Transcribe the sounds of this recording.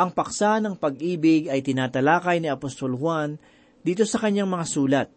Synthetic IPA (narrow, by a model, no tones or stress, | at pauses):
ʔɐŋpɐksanɐŋpɐɡ̚ʔiːbɪɡɐjt̪ɪnaːt̪ɐlaːkɐjnɪɐpost̪o̞lhwan | d̪iːt̪̬o̞sɐkɐɲːaŋmɐŋasuːlɐt̪̚